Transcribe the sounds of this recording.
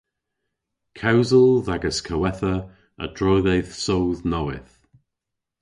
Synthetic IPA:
kʰawzəlˠðaɡəskʰəwɛθə | ə̰d̥ɹɔːðejðsowðnɔwɪ̰θ

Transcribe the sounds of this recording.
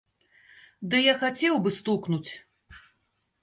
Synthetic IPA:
d̪ɨjaxat͡sʲɛwbɨst̪uknut͡sʲ

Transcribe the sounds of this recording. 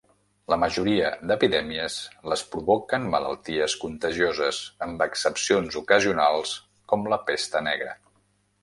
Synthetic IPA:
ləməʒuɾiəd̪əpiðɛmiəzləspɾuβɔkənmələ̰lˠt̪iəskunt̪əʒiozəzəmbəksəpsionzukəziunalˠs | kɔmləpest̪ənɛɣɾə̰

